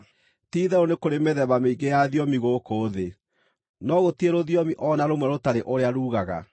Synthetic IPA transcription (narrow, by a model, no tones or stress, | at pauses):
tiːðɛonekoɾemeðɛβameiɡejaðjɔmiɣokoːðe | nɔɣotieɾoðjɔmiʔɔnaɾomwɛɾotaɾeʔoɾeaɾuːɣaɣa̰